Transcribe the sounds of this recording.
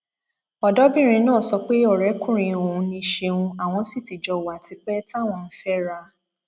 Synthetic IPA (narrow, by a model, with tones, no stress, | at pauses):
ɔ˨dɔ˦bĩ˦˨ɾ̃ĩ˧nãː˦˨sɔ˧k͡pe˦ɔ˦˨ɾɛ˨˦kũ˦˨ɾ̃ĩ˨o˨ũ˧˦nĩ˧ʃe˧ũ˧a˨w̃ɔ̃˧si˦˨ti˨d͡ʒɔ˧˨wa˨ti˧k͡pɛ˦ta˦˨w̃ɔ̃˧n̩˦fɛ˦ɾa˧